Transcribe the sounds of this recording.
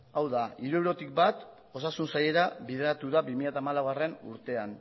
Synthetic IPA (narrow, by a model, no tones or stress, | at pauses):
awðaiɾue̞wɾo̞t̪ik̚bat̪ | o̞sasunsaje̞ɾaβiðeɾat̪uðabimiʎat̪amalawɣare̞nṵɾt̪e̞an